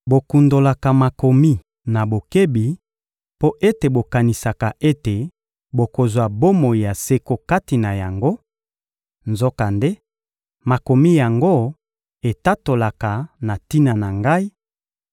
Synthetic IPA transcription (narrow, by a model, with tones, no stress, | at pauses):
bo˨ku˨ndo˨la˨ka˨ma˨ko˨mi˦ | na˨bo˨ke˦bi˨ | po˦ʔe˦te˨bo˨ka˨ni˨sa˨ka˨ʔe˦te˨ | bo˨ko˨zwa˨bo˦mo˨i˨ja˨se˦ko˦ka˦ti˨na˨ja˨ŋɡo˦ | nzo˦ka˨nde˦ | ma˨ko˨mi˦ja˨ŋɡo˦ | e˨ta˦to˨la˨ka˨na˨ti˦na˨na˨ŋɡa˦i˦